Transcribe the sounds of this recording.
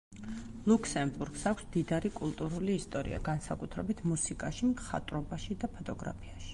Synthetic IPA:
lˠukʰsɛmbuɾɡ̥sakʷʰsd̪id̪aɾikʼulˠt̪ʼuɾuliːst̪ʼɔɾḭa̰ɡansakʼut̪ʰɾɛbit̪ʰmusikʼaʃimχa̰t̪ʼɾɔbaʃid̪apʰɔt̪ʼɔɡɾa̰pʰiaʃi̥

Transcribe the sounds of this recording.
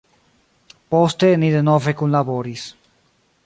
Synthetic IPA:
post̪eniðenovekunlaβoɾis

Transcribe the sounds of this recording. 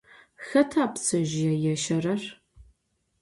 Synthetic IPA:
xɐtʰaːpsɐʒjɛjɛʃɐrɐr

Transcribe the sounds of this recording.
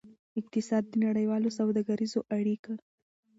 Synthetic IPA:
ɪq̚t̪ɪsɑd̪̚ːənaɽəjwɑlosawd̪ɑɡaɾizoʔaɽika

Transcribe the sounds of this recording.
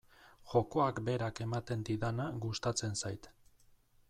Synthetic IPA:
ʝo̞ko̞akbe̞ɾake̞mat̪e̞nd̪iðanaɣust̪at͡se̞nsajt̪

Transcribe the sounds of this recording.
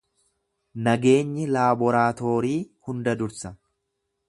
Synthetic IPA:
nɐɡe̞ːɲːɪlaːbɔɾaːt̪o̞ːɾiːhʊnd̪ɐd̪ʊɾsɐ

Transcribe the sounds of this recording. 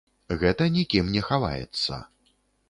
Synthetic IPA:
ɣɛt̪ɐnʲikʲimnʲɛxava̰jɛ̰t̪sːɐ̰

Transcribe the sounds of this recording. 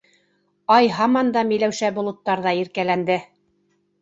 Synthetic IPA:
ɑjɦɑmɑnd̪ɑmĭjlæwʃæbŏlˠŏt̪ːɑɾðɑiɾkælænd̪ɘ

